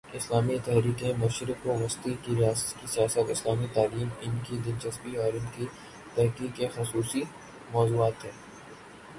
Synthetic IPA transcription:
ɪslaːmit̪ɛɦɾiːkẽmʊʃɾɪkoʋɐst̪ikiɾijaːsə̥t̪kisijaːsətɪslaːmit̪aːliːmɪnkid̪ɪnt͡ʃɐsbiɔːɾɪnki | t̪ɛɦkiːkexʊsuːsi | mɔːzuːaːt̪ɦɛː

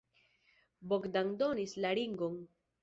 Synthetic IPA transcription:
bokd̪aŋd̪onislaɾiŋɡon

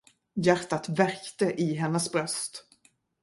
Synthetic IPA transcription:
jæɾʈ̪at̪væɾkt̪əʔɪɦɛnːəsbɾœst̪

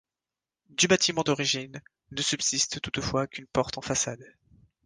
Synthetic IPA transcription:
d̪ybat̪imɑ̃d̪ɔʁiʒinː | əsybsist̪t̪ːut̪fwakʲynpɔʁt̪ɑ̃fasad̪

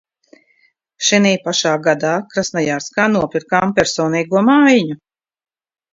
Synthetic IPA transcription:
ʃiniːpaʃaːɡad̪aːkɾasnajaːɾskaːnuɔpʲiɾkaːmpʲɛɾsɔːniːɡuɔmaːjɲu

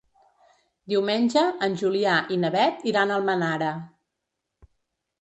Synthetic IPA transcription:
d̪iwmenʲʒəənʲʒuliaʔinəβɛt̪iɾanəlˠmənaɾə

